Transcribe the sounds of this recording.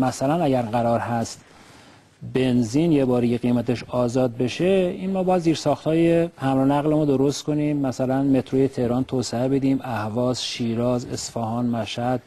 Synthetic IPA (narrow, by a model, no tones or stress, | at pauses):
mæsælænæɟæɾɡæɾɒːɾhæst̪ | be̞nzinjebɒːɾejeɣimæt̪ʰeʃɒːzɒːd̪̚be̞ʃeinmɒːbɒjæd̪ziːɾsɒːxt̪hɒːjehæmɾonæɣlemud̪oɾost̪kʰo̞niːmːæsælænme̞t̪ʰɾoje̞t̪ʰe̞hɾɒːnt̪ʰoːseebe̞d̪iːmæhvɒːzʃiːɾɒːze̞̰sfɒːhɒːnmæʃhæd̪̥